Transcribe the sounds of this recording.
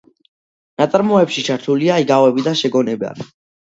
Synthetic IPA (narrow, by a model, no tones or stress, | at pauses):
nat̪sʼaɾmɔɛpʃit͡ʃʰaɾt̪ʰuliaiɡavɛbid̪aʃɛɡɔnɛba̰